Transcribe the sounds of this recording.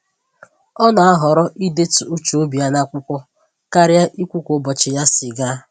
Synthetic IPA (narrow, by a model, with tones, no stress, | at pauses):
ɔ˦na˨a˦ɦɔ˨ɾɔ˦ʔi˦de˦tʊ˨u˦t͡ʃo˨o˦bi˨a˦na˦kʷʊ˦kʷɔ˦ | ka˦ɾja˦ʔi˦kʷu˦kʷʊ˦bɔ˨t͡ʃɪ˨ja˦sɪ˨ɡa˦